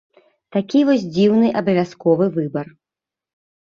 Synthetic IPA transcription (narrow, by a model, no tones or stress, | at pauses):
t̪akʲivɔsʲd͡zʲiwnɨʔɐbɐvʲaskɔvɨvɨbɐr